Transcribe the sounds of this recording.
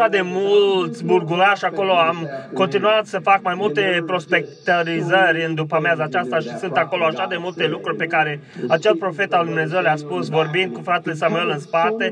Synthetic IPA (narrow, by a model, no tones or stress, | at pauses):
ad̪e̞mult̪sʲburɡuɾaʃako̞lo̞amko̞nt̪inuat̪səfakmajmult̪e̞pɾo̞spe̞k̚t̪əɾizərʲɨnd̪upəmeazaːt͡ʃast̪aʃisunt̪ako̞lo̞aʃad̪e̞mult̪e̞lukɾurʲpe̞kaɾe̞at͡ʃelpɾo̞fe̞t̪ad̪umne̞zewleaspusvo̞rbind̪̚kufɾat̪e̞le̞s̬amue̞lɨnspat̪e̞